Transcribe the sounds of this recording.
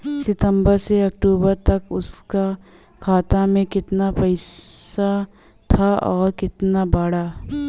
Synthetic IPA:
sɪt̪ə̃mbəɾseɐk̚ʈuːbəɾt̪ɐkʊska | kʰaːt̪amẽkɪt̪napɐɪa | t̪ʰaʔɔːɾkɪt̪nabaːɽaː

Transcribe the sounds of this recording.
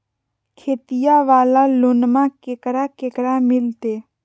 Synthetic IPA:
kʰeːt̪ijaʋaːlalonmãkekɾakekɾamɪlt̪eː

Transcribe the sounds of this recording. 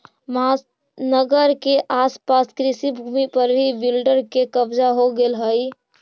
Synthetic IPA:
ma | nəɡəɾkeʔaspaskɾisibʱumipəɾbʱibilɖəɾkekəbd͡ʒaɦoɡelɦəj

